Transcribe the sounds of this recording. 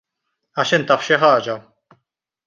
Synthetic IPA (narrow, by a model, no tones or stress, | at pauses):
ɐʃɪnt̪ɐfʃɪħɐːd͡ʒɐ